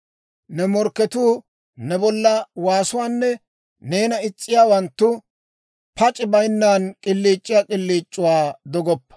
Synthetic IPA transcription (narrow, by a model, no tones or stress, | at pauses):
nɛmɔɾkːɛt̪uː | nɛbɔlːɐwaːsʊwaːnːɛ | ne̞ːnɐɪt͡sʼːɪjaːwɐnt̪ːʊ | pɐt͡ʃʼɪbɐjnːaːnkʼɪlːiːt͡ʃʼːɪjaːkʼɪlːiːt͡ʃʼːʊwaːd̪ɔɡɔpːɐ̥